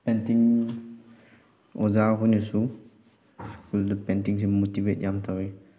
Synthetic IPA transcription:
pɛ̃nt̪iŋ | ozakunəsu | skuldəpɛnt̪iŋs̬imot̪ivet̚jamt̪awi

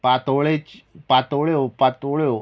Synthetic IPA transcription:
pat̪oɭet͡ɕpat̪oɭjopat̪oɭjo

